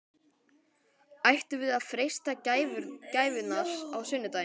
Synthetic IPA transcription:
ajht̪ʏvɪðaðfɾejst̪acaːjvʏɾcaːjvʏnaɾ̥awsʏnːʏt̪aːj

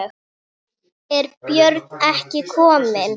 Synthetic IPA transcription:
ɛɾpjœɾt̪nɛhcɪkʰɔːmɪn

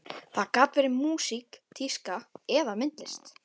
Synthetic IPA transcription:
θaðkaːt̪vɛːɾɪmuːsikt̪ʰiskaɛðamɪnt̪lɪst̪

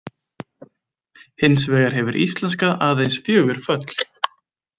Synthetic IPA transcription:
hɪnsvɛːɣaɾ̥ɦɛvʏɾʔḭst̪lɛnskaʔaːðejnsfjœːɣʏɾ̥fœt̪l̥

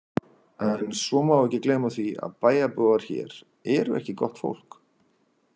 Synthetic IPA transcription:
ɛnsɔmawɛhcɪkleːmaθvia̰ðpaːjapœːɣaɾ̥çɛ̰ːɾ | ɛɾʏʔɛ̰hcɪkɔht̪fo̰wl̥k

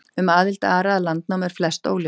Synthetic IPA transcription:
ʏmaːðɪlt̪aːɾaðlant̪̚nawmɛɾ̥flɛst̪o̰ːwljo

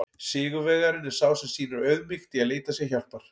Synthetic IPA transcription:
sɪːɣʏvɛɣɣaɾɪnɪ̥saːwsɛmsiːnʏɾœɥðmɪxt̪ɪaðleːjt̪asjɛçawl̥tpaɾ̥

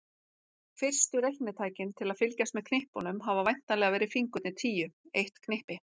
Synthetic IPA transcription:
fɪr̥st̪ʏɾejhknɪt̪ʰaːjcɪnt̪ʰɪlaðfɪlcast̪mɛð̥kʰnehpɔnʏmɦavavajn̥t̪alɛɣavɛːɾɪfiŋkʏt̪ɪt̪ʰiːjʏejht̪kʰnehpɪ

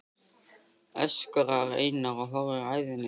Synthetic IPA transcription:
æ̰ʃə̥kːʁəʁæ̰jənːəʁɦʊʁiʁaðn

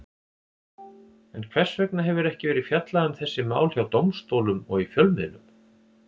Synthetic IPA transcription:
ɛnkʰvɛr̥svœknaɦɛvʏɾɛhcɪvɛːɾɪfjat̪laðʏmθɛsːɪma̰ːwlhjawt̪owmst̪oːwlʏmɔ̰ɣifjœlmɪðnʏm

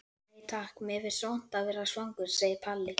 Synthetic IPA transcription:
it̪ʰaːhkmɛvɪɾ̥sown̥t̪avɛːɾasvaŋkʏɾ̥seːjɪpʰalːɪ

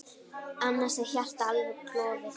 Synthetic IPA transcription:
anːasɛðçar̥t̪aalvɪkʰlɔːðɪ

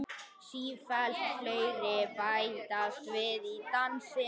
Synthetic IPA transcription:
siːfɛlt̪fleɥɾɪpajt̪ast̪vɪðit̪ansɪ

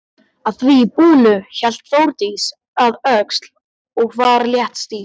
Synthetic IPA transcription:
aðθviːpuːlʏçɛl̥t̪θowɾt̪is | aðœkst̪l̥ | ɔɣvaɾljɛht̪st̪i

